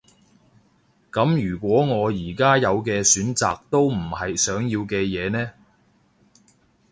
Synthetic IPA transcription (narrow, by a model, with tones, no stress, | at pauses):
kɐ˨˥mjyː˨˩kʷwɔː˨˥ŋɔː˨˧jiː˨˩kaː˥jɐ˨˧wkɛː˧syː˨˥nt͡sa̰ː˨k̚t̪o˥wm̩˨˩hɐ˨jsœː˨˥ŋjiː˧wkɛː˧jɛː˨˧nɛː˥